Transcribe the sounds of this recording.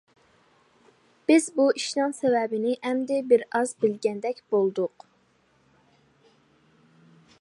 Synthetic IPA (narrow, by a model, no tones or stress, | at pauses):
b̥ɪzbuiʃnɨŋsɛvɛbɪnɪʔɛmd̪ɪbɪɾɑzbɪlɡʲɛnd̪ɛkʲb̥olˠd̪ʊq